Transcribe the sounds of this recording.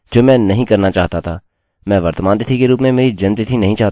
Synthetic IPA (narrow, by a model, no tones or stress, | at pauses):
d͡ʒoːmɛ̃ːnɐɦĩkɐɾnat͡ʃaːɦt̪at̪ʰaː | mɛ̃ːʋəɾt̪mãːnd̪et̪ʰikeɾuːpmẽmeːɾid͡ʒɐnt̪et̪ʰinɐɦĩt͡ʃaːɦt̪